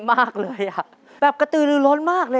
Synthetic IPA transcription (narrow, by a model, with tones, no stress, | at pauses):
maː˥˩k̚lɤː˧jʔa˨˩ʔ | bɛː˨˩p̚ka˧t̪ɯː˨˩lɯː˧˩lɔː˦˥nmaː˥˩k̚lɤː˧